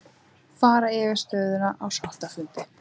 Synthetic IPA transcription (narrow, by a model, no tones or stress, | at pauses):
faːɾaɛvɪɾ̥st̪œːɥðʏnaʔawsal̥t̪afʏnt̪ɪ